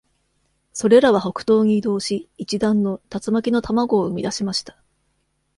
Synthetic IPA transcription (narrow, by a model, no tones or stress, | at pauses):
so̞ɾe̞ɾaβ̞aɦo̞kɯ̟̥t̪o̞ːɲ̟iːd̪o̞ːɕiːt͡ɕid̪ãnːo̞t̪at͡sɨmakʲino̞t̪amaɡo̞ːɯ̟mʲid̪aɕimaɕi̥t̪ḁ